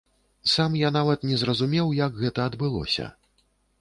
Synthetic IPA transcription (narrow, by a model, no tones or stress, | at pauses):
samjanavɐt̪nʲɛzrɐzumʲɛwjaɡɣɛt̪ɐːd̪bɨlˠɔ̰sʲɐ̰